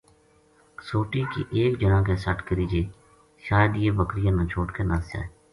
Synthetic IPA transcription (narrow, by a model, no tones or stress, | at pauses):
soːʈiːkḭːʔeːkd͡ʒənãːkeːsəʈkəɾiːd͡ʒeː | ʃaːjəd̪jeːbəkɾɪjãːnãːt͡ʃʰoːʈkenaːst͡ʃa̰ːeː